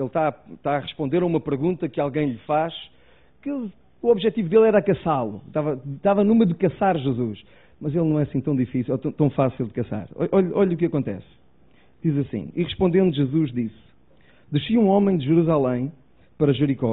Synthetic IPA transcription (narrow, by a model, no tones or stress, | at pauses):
elˠʃt̪at̪aɐʁɨʃpõnd̪eɾɐumɐpɨɾɣũnt̪ɐkɨalˠɣɐ̃j̃ʎɨfaʃ | kɨ | uɔβʒɛt̪ivuðelˠɛɾɐkɐsalˠut̪avɐt̪avɐnũmɐðɨkɐsaɾʒɨzuʃ | mɐzelˠnɐ̃w̃ɛɐsĩt̪ɐ̃w̃d̪ifisilˠɔt̪ɐ̃w̃t̪ɐ̃w̃fasilˠd̪ɨkɐsa̰ɾɔ̰ʔɔʎɐʔɔʎɐukɐkõnt̪ɛ̰s | d̪̥izɐsḭ̃iʁɨʃpõnd̪ẽnd̪uʒɨzuʒd̪is | d̪ɨʃiũɔmɐ̃j̃d̪ʒɨɾuzalˠɐ̃j̃ | pɐɾɐʒɨɾikɔ